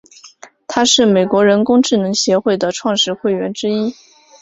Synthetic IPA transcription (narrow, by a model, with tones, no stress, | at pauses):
t̪ʰa˥ʂɻ̩˥˩me˨˩ɪkwɔ˧˥ɻə˧˥nkʊ˥ŋʈ͡ʂɻ̩˥˩nɤ˧˥ŋɕjɛ˧˥xwe˥˩ɪd̪ə˩ʈ͡ʂʰwɑ˥˧ŋʂɻ̩˥˧xwe˥˩ɪɥɛ˧˥nʈ͡ʂɻ̩˥i˥